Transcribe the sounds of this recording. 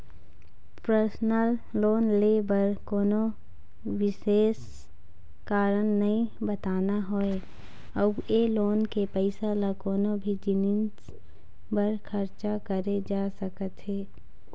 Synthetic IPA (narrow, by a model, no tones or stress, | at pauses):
pɾəɾsnəlːoːnlebəɾkoːno | wɪʃeːs | kaːɾənːɐɦĩbət̪aːnaɦoe | əbeloːnkepɛɪsalakoːnobʱid͡ʒɪnɪn | bəɾkʰɐɾt͡ʃakəɾed͡ʒaːsəkət̪ɦeː